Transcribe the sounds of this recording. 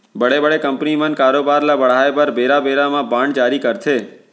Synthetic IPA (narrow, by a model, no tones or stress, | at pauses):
bəɽebəɽekəmpnimə̃nkaːɾobaɾlabəɽ̤aepəɾbeːɾabeɾamãbãɳɖd͡ʒaːɾikəɾt̪ʰeː